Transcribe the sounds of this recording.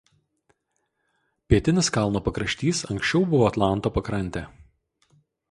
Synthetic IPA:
pʲiɛt̪ʲɪnʲɪskɐlˠnoːpɐkɾɐʃʲt̪ʲiːsɐŋksʲt͡ʃʲɛʊbʊʋoːɐt̪lˠɑˑnt̪oːpɐkɾɐnʲt̪ʲeː

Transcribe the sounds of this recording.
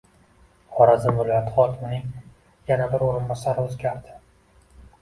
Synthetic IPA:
χɒɾazɪnvɪlˠɒjat̪ʰɪ̥χɒkʲɪmɪnɪŋ | janabɪɾoɾɪnbɒsaɾɪozɡʲaɾd̪ɪ̥

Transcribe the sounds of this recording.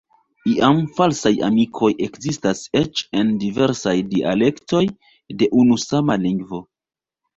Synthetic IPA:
iʔamfalsaja̰mikʰo̞je̞kzistase̞t͡ʃe̞ndive̞ɾsajdia̰le̞kto̞j | de̞ʔunusamaliŋɡvo̞

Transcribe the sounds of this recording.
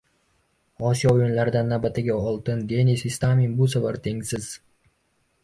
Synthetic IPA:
ɒsijɒojʊnlaɾɪd̪anːawbat̪ʰɪɡʲaɒlˠt̪ɪnd̪e̞nisist̪aminbʊsavaɾt̪ʰe̞ŋʲsɪz̥

